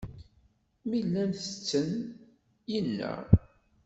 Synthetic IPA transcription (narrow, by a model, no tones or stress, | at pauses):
milːænθə̥t͡sːən | jəlːæ̰